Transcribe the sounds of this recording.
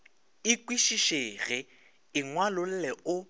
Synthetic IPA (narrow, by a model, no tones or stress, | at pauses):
ɪkwiʃiʃeɣɪ | ɪŋwalʊl̩lɛʊ